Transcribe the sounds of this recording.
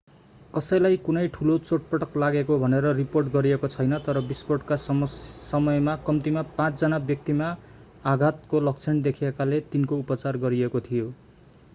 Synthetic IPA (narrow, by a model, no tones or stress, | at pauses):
kʌsʌjlajkunʌjʈʰulot͡soʈ̚pʌʈʌklaɡekobʱʌneɾʌriporʈɡʌɾiekot͡sʰʌjnʌt̪ʌɾʌbisporʈkasʌsʌmʌjmakʌmt̪imapãt͡sd͡zʌnabjʌk̚t̪imaː | ɡʱat̪̚kolʌk̚t͡sʰend̪ekʰiekalet̪inkoupʌt͡sarɡʌɾiekot̪ʰijo